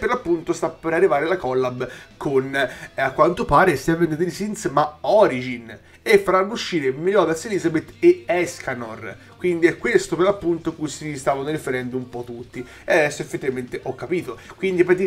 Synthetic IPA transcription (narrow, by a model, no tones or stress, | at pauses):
pːeɾlapːunt̪ost̪apːeɾarːivaːɾelakɔlːabkʰonakːwant̪opaːɾest̪ɛvend̪d̪elisint̪smaɔɾid͡ʒin | efːaɾanːouʃːiːɾemilɔd̪aseliːzabet̪ːeɛskanor | kwind̪iɛkːwest̪operlapːunt̪okujsist̪aːvanoɾifeɾɛnd̪umpɔt̪ːut̪ːi | ead̪ɛsːoefːet̪ːivament̪eʔɔkːapiːt̪okwind̪ipat̪i